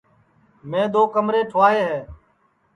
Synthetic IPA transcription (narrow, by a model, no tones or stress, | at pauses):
mẽːd̪oːkəmɾeːʈʰʊʋaːɦeːɦeː